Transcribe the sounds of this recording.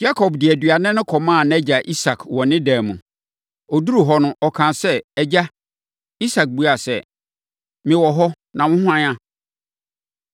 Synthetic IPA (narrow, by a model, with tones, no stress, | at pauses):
ja˦kʰɔ˨bdɪ˨æ˨dɥa˨nɪ̃˦nʊ̃˦kʰɔ˨mã˦˨nɛ˦d͡ʑa˨ʔi˦sa˨kʰwɔ̃˨nɪ̃˦daː˨mũ˨ | ɔ˨du˦ɾu˨ɦɔ˦nʊ̃˦ʔɔ˨kʰã˨nsɛ˦ɛ˨d͡ʑa˦ | i˦sa˨k̚bu˦a˨sɛ̰˨ | mɪ̃˨wɔ˨ɦɔ˦ | nã˨wʊ̃˦hʊ̃˦ã˦ɲã˦